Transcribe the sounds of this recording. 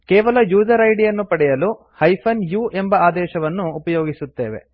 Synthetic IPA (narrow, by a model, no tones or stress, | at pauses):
keːʋɐlɐjuːd͡ʒɐɾɐjɖijɐnːupɐɽɛjɐlu | hɐjpʰɐnjuːʔembɐaːd̪ɛːʃɐʋɐnːuːpɐjoːɡisut̪ːeːʋḛ